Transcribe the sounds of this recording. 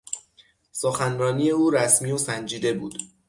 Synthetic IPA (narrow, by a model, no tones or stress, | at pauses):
soxænɾɒːniːje̞uːɾæsmiːosænd͡ʒiːd̪e̞buːd̪̥